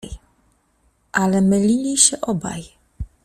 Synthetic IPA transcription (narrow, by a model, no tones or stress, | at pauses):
j | ʔalɛmɘlʲilʲiɕɛʔɔba̰j